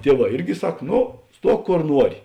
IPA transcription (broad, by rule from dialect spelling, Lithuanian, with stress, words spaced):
ˈtʲiɛˌʋɑː ˈɪrʲɡʲɪ ˈsɐk ˈnoː ˈstuɔk ˈkoːr ˈnuɔrʲɪ